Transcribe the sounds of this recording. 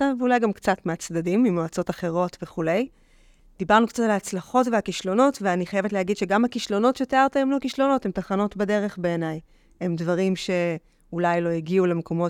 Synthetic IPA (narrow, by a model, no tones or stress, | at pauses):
aveulajɡamkt͡satmeat͡sdadimːimoat͡so̞taχe̞ʁo̞tveχule̞j | d̥ibaʁnukt͡satalaːt͡slaχo̞tveakiʃlo̞no̞tveaniχajevetlehaɡidʃe̞ɡamhakiʃlo̞no̞tʃeteaʁt̪aemlokiʃlo̞no̞themtaχano̞tbade̞ʁe̞χbe̞ːnaj | emdvaʁimʃe̞ | ulajlo̞jiɡiulemekʰo̞mo̞